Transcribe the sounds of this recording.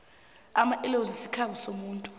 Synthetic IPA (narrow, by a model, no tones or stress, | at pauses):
amaʔɛlozisikʰaɓɔsomuːntʼu